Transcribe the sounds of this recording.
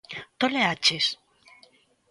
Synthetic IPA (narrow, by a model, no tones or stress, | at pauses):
t̪oleat͡ʃes